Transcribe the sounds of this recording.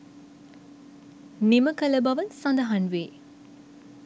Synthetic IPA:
nimɐkɐlɐbɐʋɐnsɐ̃nd̪ɐɦɐnʋeː

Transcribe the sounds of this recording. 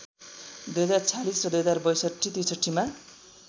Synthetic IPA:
d̪ujɦʌd͡zart͡sʰalisrʌd̪ujɦʌd͡zarbʌjsʌʈʰːit̪isʌʈʰːima

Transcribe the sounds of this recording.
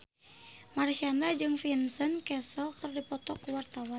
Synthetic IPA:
marʃandad͡ʒɨŋfinsənkɛsəlt̪ɨrdipɔt̪ɔkuwart̪awan

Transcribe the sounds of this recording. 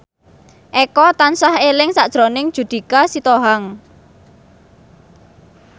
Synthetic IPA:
ʔɛkɔt̪ansahelɪŋsaʔd̥ʒ̥ɾonɪŋd̥ʒ̥ṳd̪̥i̤kasit̪oɦaŋ

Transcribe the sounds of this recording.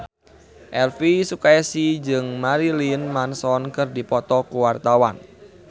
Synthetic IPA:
ʔɛlfisukaɛsid͡ʒɨŋmaɾilinmansɔnkɨrdipɔt̪ɔkuwart̪awan

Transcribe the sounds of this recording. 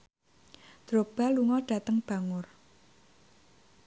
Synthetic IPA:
d̪̥ɾo̤b̥a̤luŋɔɖ̥ä̤t̪əŋb̥a̤ŋʊr

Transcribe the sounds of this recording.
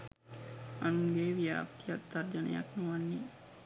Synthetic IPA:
anuŋɡeːʋja̰ːpt̪ijat̚d̪aɾd͡ʒənḛja̰knuʋanːi

